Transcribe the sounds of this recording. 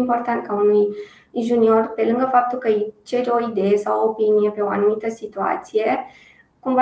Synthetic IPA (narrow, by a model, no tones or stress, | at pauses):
mport̪ant̪̚kaunnij | ʒuniorpelɨŋɡəfap̚t̪ulkət͡ʃeɾʲoid̪ejesawopinijepeoa̰numit̪əsit̪ua̰t̪sije | kumva